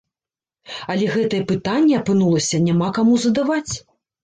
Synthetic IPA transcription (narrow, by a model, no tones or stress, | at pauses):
ɐlʲɛɣɛt̪ɐjɛpɨt̪anʲːɛɐpɨnulˠɐsʲɐnʲamakamuzɐd̪avat͡sʲ